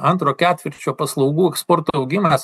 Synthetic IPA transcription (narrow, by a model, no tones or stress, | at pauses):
ɐnt̪ɾoːkʲæːt̪ʲʋʲɪɾʲt͡ʃʲoːpɐslˠɐʊɡuːɛkspoːɾt̪oːɐʊɡʲɪmɐs